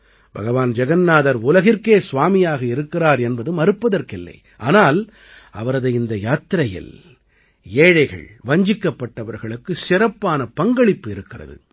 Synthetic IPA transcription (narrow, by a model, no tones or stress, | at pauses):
b̥ʱɐɣɐʋaːnd͡ʒɛɣɐnnaːðɐɾʊlɐɣɪɾkeːsʊʋaːmɪjaːɣɐɪɾɯkːɪraːɾɛnbɐðɯmɐɾɯpːɐðɐɾkɪlːɐ̰ɪ | ʔa̰ːnaːl | ɐ̰ʋɐɾɐðɐɪɪnd̪ɐjaːt̪ːɪɾɐjɪ̰l | eːɻɐɪɣɐ̰ɭʋɐɲd͡ʒɪkːɐpːɐʈːɐʋɐɾɣɐɭɯkːɯsɪɾɐpːaːnɐpɐŋɡɐɭɪpːɯɪɾɯkːɪrɐ̰ðɯ̰